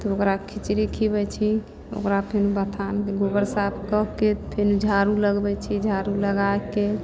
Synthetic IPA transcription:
t̪ɔokɾakʰit͡ʃɾikʰibɛt͡ʃʰi | o̰kɾapʰenubət̪ʰankeɡobəɾsapʰkəɦket̪pʰenud͡ʒʱaɾuləɡbɛt͡ʃʰid͡ʒʱaɾuləɡaeke

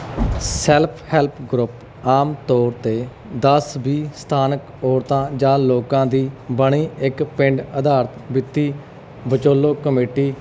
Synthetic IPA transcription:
sɛlpʰhɛːlpʰɡɾʊp | aːmt̪ɔːɾt̪eː | d̪əsbiːst̪ʰaːnək | ɔːɾt̪ãːd͡ʒãːloːkãːd̪iːbəɳiːɪkpɪ̃ɳɖəd̪aːɾt̪bɪt̪ːiː | bət͡ʃoːloːkəmeːʈiː

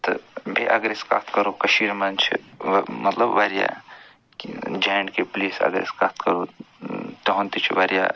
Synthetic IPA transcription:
t̪ɨbʱeʔɐɡɾeska̰ːt̪ʰkɐɾokɐʃiːɾmɐnt͡ʃʰimɐt̪lɐbʋaːɾja̰ | d͡ʒaːjɳɖkepliːsɐ̰ɡəɾḛskat̪ʰkɐɾo | t̪oɦõnt̪it͡ʃʰiʋɐɾja̰ː

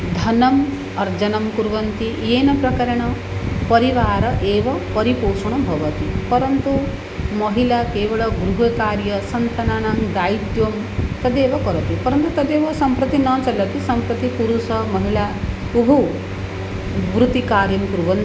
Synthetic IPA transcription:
d̪ʱɐnɐm | ɐɾd͡ʒɐnɐmkuɾʋɐnt̪ieːnɐpɾɐkɐɾɐɳ̃ɐ | pɐɾiʋaːɾɐʔeːʋɐpɐɾipoːʂɐɳ̃ɐbʱɐʋɐt̪ipɐɾɐnt̪u | mɐɦilakeːʋɐɭɐɡɾuɦɐkaːɾjɐsɐnt̪ɐnaːɳaŋd̪aːjt̪ʋɐm | t̪ɐd̪eːʋɐkɔɾɐt̪ipɐɾɐnt̪ut̪ɐd̪eːʋɐsɐmpɾɐt̪inɐ̃ːt͡ʃɐlːɐt̪isɐmpɾɐt̪ikuɾusɐmɐɦilaː | ubʱu | ʋɾut̪ikaːɾjɐmkuɾʋɐnt̪i

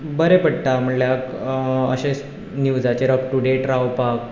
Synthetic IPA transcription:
bəɾepəɽ̚ʈ̪am̤əɳljakəɕes | nuwd͡zat͡ɕeɾək̚ʈuɖeʈɾaʋpak̚

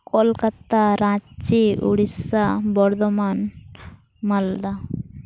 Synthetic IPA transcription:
kolkɐt̪ːaɾãːt͡ʃiṵɽisabɔɾd̪ɔman | mɐld̪a

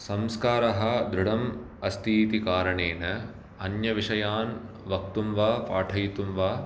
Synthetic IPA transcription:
sɐmskaːɾɐɦɐ̆d̪ɾuɽɐm | ɐst̪ʰiːt̪ikaːɾɐɳeːnɐ | ɐnjɐʋiʂɐjaːn | ʋɐk̚t̪umʋaːpaːʈʰɐjt̪umʋaː

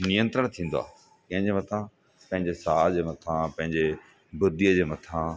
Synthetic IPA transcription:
nijə̃nt̪ɾəɽ̃t̪ʰĩːn̆d̪oa̰ː | kɐ̃ɦɪ̃ɲd͡ʑemɐt̪ʰã | pɐ̃ɦɪ̃ɲd͡ʑesaːd͡ʑeːmɐt̪ʰãpɐ̃ɦɪ̃ɲd͡ʑe | bʊd̪ijəd͡ʑeːmɐt̪ʰã

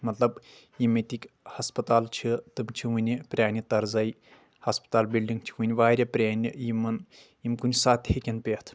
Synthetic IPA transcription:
mɐt̪lɐb | jimet̪ʲikʲhɐspɐt̪aːlt͡ʃʰit̪ɨmt͡ʃʰiʋɨnʲipɾʲaːnʲit̪ɐɾzɐj | hɐspɐ̥t̪aːlbilɖiŋɡt͡ʃʰi̥ʋɨnʲʋaːɾʲɐpɾʲaːnʲijimɨn | jimkunʲsaːt̪ʲhekʲɐnpʲet̪ʰ

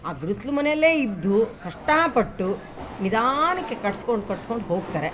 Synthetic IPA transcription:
aːɡɾuslumɐnelːe̞ːid̪ːukɐʂʈɐpɐʈːu | nid̪aːnɐkːe̞kɐʈskoɳɖukɐɽsko̞ɳɖuɦo̞ːɡt̪ɐːɾe

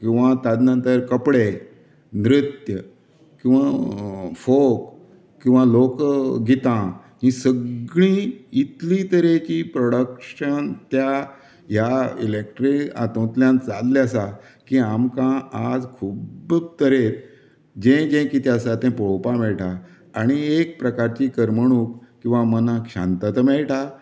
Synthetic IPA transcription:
kĩw̃ʋat̪ad̪nə̃nt̪əɾkəpɽe | nɾit̪jə | kĩw̃ʋa | fok | kːĩw̃ʋalokɡit̪ã | ɦĩsəɡɭĩit̪lĩt̪əɾekipɾɔɽəkɕənt̪ja | ɦjaḭlek̚ʈɾika̰t̪õt̪ljãnt͡salljasa | kiamkãad͡zkʰuːbbt̪əɾeɾ | d͡ʑẽd͡ʑẽkit̪jasat̪ɛ̃poɭpamɛɭʈʰaː | ɽ̃iek̚pɾəkaɾt͡ɕikəɾməɽ̃ũːkkːĩw̃ʋamənakɕã̰nt̪at̪əmɛɭʈa

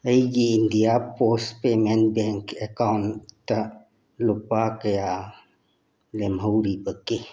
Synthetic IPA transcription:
əiɡiːnd̪ijapospemẽn̚bɛŋkɛkawnt̪ə | lʊpakəja | lemɦəwɾipəke

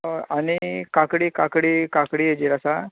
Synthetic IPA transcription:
añikakɽiːkakɽikakɽiːjed͡ʑiːɾasa

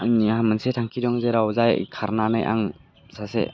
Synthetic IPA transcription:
aŋnihamənsetʰaŋkʰidɔŋzeɾawzajkʰaɾnanɯjʔa̰ŋ | sasḛ

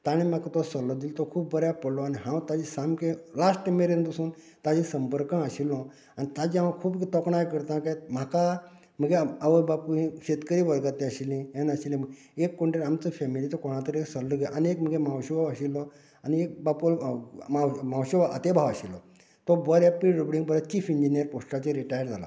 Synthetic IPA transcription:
t̪aɽ̃ĩmakt̪ɔsɔlːɔd̪ilɔt̪ɔkʰuːbːəɾjapəɽlɔaniɦãwt̪ad͡ʑisamkẽlasʈemeɾẽnd̪usũːn | t̪ad͡ʑisəmpəɾkãaɕilːɔ | anit̪ad͡ʑiãw̃ãkʰuːpkt̪ɔkɳajkəɾt̪ãkam̤aka | m̤əɡeaʋəbapuɦĩkɕet̪kəɾiːʋəɾɡat̪ĩəɕilĩenaɕilĩməɡ | ekːoɳʈeɾamt͡səfɛmilit͡sɔkɔɽ̃ãt̪əɾeksalləɡeʔaniekm̤əɡemawɕibʱaʋaɕilːɔ | aniek̚bapulmamãwɕebaʔə̰t̪ebʱaʋaɕilːɔ | t̪ɔbɔɾjapiɾubɽĩŋɡbəɾat͡ɕiːfiɲd͡ʑinijəɾpoʂʈat͡ɕeɾiʈajəɾd͡zʱala̰

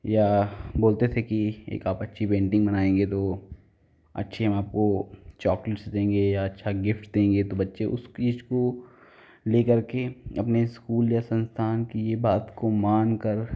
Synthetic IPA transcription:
jaboːlt̪et̪ʰekiḛːkaːpɐtːʃʰipẽːɳʈɪ̃ŋɡbɐnaːẽːŋɡet̪o | ɐ̰tːʃʰeɦɐmaːp̚kot͡ʃɔːklɪʈsd̪ẽːŋɡejaɐtːʃʰaɡɪfʈd̪ẽːŋɡet̪obɐtːʃeʔʊ̰st͡ʃiːd͡ʒko | leːkɐɾkeɐpneskuːljasɐ̃nst̪ʰaːnkijebaːt̪komaːnkəɾ

